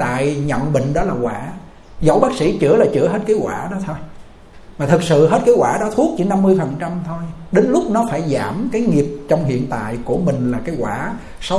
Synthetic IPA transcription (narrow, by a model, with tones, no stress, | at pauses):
t̪a̰ː˧˨jɲɔ̰˧˨ŋ͡mɓï˨ŋ̟ɗɔ˨˦laː˨˩ɣwa̰ː˧˩˦ | zə˨˩˦wɓaː˦˥k̚sḭ˧˥t͡ɕɨ˧˩əlaː˨˩t͡ɕɨ̰˧˥əɦə˦˥t̚kaː˨˦jɣwaː˧˩ɗɔ˨˦t̪ʰo˧j | maː˨˩t̪ʰɨ˨˩k̚sɨ̰˧˨ɦe˦˥t̚kaː˨˦jwaː˧˩ɗɔ˨˦t̪ʰu˦˥ək̚t͡ɕi˧˩˦na˧mːɨ˧əjfə˨˩nt͡ɕa˧mt̪ʰo˧jɗe˨˦nlʊ˦˥k͡p̚nɔ˨˦faː˧˩jzaː˧˩mkaː˨˦jŋi˨˩əp̚t͡ɕɔ˧wŋ͡mhḭ˧˨ənt̪a̰ː˧˨jku˧˩əmï˨˩ŋ̟laː˨˩kaː˨˦jɣwaː˧˩ | sɔ˨˦